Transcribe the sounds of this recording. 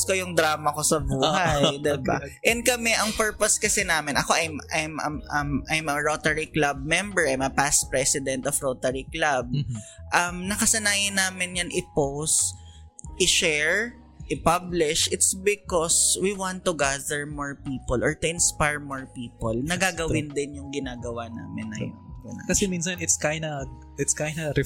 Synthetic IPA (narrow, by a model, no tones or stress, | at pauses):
skojʊŋd̪ɾaːmɐkosɐbuːhajd̪ɛba̰ʔɛnd̪̚kɐmɛʔɐŋpɛɹposkɐsɛnaːmɪnʔɐkoʔɐjmʔajmɐmɐmʔajmɐɹot̪ɛɹiklab̚mɛmbɛɹajmɐpaspɹɛsɪd̪ɛ̃nt̪ɔfɹot̪ɛɹiklab̚ʔɐmnɐkɐsɐnaːjɪnaːmɪnjɐnʔɪpows | ʔɪʃɛɹ | ʔɪpablɪʃʔɪt̪sbɪkɔswiwãnt̪ːʊɡaðɛɹmoɹpiːpɔlʔɔɹt̪ʊɪ̃nspajɹmoɹpiːpɔlnɐɡaɡɐwɪnd̪ɪnjʊŋɡɪnaːɡɐwana̰ːmɪnːɐpʊnɐ̰kɐsɛmins̬ɐnɪt̪skajnɐ | ɪt̪skajnɐɾɛ